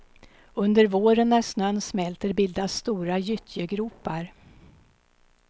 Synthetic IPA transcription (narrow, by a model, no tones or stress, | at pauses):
ɵnd̪əɾvoːɾənːæʂnœnːsmɛlt̪əɾbɪld̪ast̪uːɾajʏt̪ʰjəɡɾuːpaɾ